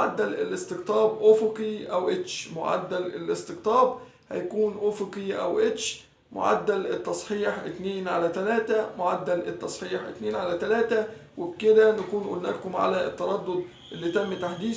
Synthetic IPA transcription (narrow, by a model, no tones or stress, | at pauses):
ʕad̪ːælɪ̰lʔɪst̪ɪɡt̪ˤɑːbʔofokiʔæwʔet͡ʃmʊ̰ʕa̰d̪ːælelɪst̪ɪɡt̪ˤɑːb | hæ̰jkuːnʔofokiʔæ̰wʔet͡ʃ | mʊ̰ʕa̰d̪ːælɪt̪ːɑsˤħiːħʔɪt̪neːnʕalæt̪ælæːt̪æmʊʕad̪ːælɪt̪ːɑsˤħiːħʔɪt̪neːnʕalæt̪ælæːt̪æwɪbkɪd̪ænækuːnʔulnæːkʊmʕa̰læɪt̪ːɑɾˤɑd̪ːod̪ | ʔɪlːit̪æmːt̪aħd̪iː